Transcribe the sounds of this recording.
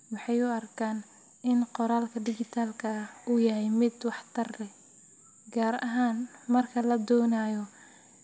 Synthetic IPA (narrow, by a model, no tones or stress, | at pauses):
wɑħɑjʊɐrkʰaːn | ɪnqɔɾaːlkʰɐɖɪɡɪt̪ʰaːlkʰɐuːjɐɦɛjmɪd̪wɑħt̪ʰɐrɛ | ɡaːɾɐɦaːnmɐrkʰɐlɐd̪ɔːnaːjɔ